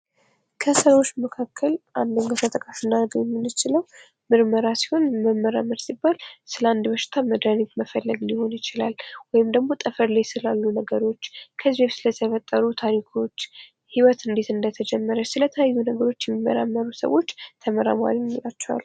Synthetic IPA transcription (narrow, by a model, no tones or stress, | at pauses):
kʰəsəɾwot͡ʃːməkʰakʰːəlʔand̪əŋɡət̪ʰət̪ʼɨkʼafɨnːaɾɡəwjɛmːɨnːɨt͡ʃɪləw | mɨɾməɾasi̥ho̞nməmːəɾaməɾsibːalsɨləand̪bəʃɪ̥t̪ʰaməd̪anikməfəlːəɡɨlɪho̞njɪt͡ʃɪlalwɔjɪmd̪əɡmo̞t̪ʼəfəɾlajsɨlalːunəɡəɾo̞t͡ʃːkʰəzbeβsɨlət̪ʰəfət̪ʼːəɾut̪ʰaɾikʰo̞t͡ʃː | hiwət̪ɨnd̪e̞t̪ɨnd̪ət̪ʰəd͡ʒɛmːəɾəsɨlət̪ʰəajːunəɡəɾo̞t͡ʃːjɛmːimːə̰ɾamːəɾusə̰wo̞t͡ʃːt̪ʰəməɾa̰ma̰ɾimːilat͡ʃːɛwa̰lːu